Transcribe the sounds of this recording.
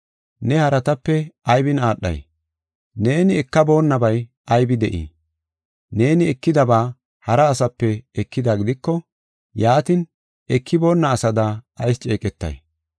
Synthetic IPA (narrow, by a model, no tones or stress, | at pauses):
nɛhɐɾɐt̪ɐpːɛɐjbɪnaːɗːɐ̰j | ne̞ːnɪɛkːɐbo̞ːnːɐbɐj | ɐjbɪd̪ɛʔḭː | ne̞ːnɪɛkːɪd̪ɐbaː | hɐɾɐːsɐpːɛɛkːɪd̪aɡɪd̪ɪkːɔ | jaːt̪ɪn | ɛkʰːɪbo̞ːnːɐːsɐd̪aɐjst͡ʃʼeːkʼɛt̪ːɐ̰j